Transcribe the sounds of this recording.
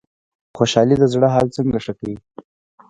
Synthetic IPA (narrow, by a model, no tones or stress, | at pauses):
xoʃɑlid̪əzɽəɦɑlt͡səŋɡaʂəkawi